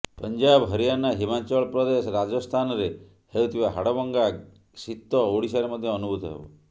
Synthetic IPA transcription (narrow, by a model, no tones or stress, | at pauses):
pənd͡ʒabɦəɾijanaɦimat͡ʃɔɭpɾɔd̪esɔɾad͡ʒɔst̪ʰanɔɾe | hewt̪ʰibaɦaɽɔbɔŋɡa | sit̪ːɔoɽisaɾemɔd̪ʱjɔɔnubʱut̪ɔɦḛbɔ̰